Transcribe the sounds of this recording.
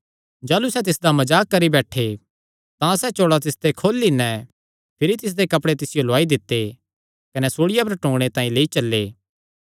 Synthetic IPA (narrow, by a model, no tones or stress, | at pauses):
d͡ʒaːlusɛt̪̬ɪsd̪amɐd͡ʒaːkːɐɾibɛːʈʰe | t̪ãsɛt͡ʃoːɽat̪ɪst̪ekʰoːlːinɛ | pʰɪɾit̪ɪs̬d̪ekɐpɽet̪ɪsɪjoloaːid̪ɪt̪ːe | kɐnɛsoːɽɪjap̬ɐɾʈõːɡɽ̃et̪ãːĩleːit͡ʃɐlːeː